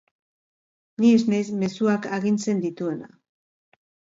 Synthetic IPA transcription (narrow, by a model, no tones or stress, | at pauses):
nieznajsme̞suakaɣint͡se̞nd̪it̪ue̞na̰